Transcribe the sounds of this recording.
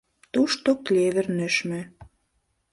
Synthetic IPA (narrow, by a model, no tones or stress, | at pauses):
t̪uʃt̪oklʲeβĕrnøʃmĕ